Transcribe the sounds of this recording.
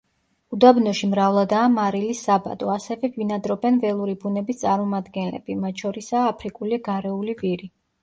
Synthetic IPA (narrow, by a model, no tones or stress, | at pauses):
ud̪abnɔʃimɾavlˠad̪aːmaɾilisːaba̰d̪ʼɔasɛvɛvinad̪ɾɔbɛnvɛlˠuɾibunɛbist̪sʼaɾmɔmad̪ɡɛnlɛ̰b̥imat̪ʃɔɾisaːpʰɾikʼuliɡaɾɛuliviɾi